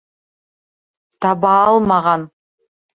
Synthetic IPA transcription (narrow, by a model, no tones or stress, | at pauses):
t̪ʰɑbɑɑlˠmɑʁɑn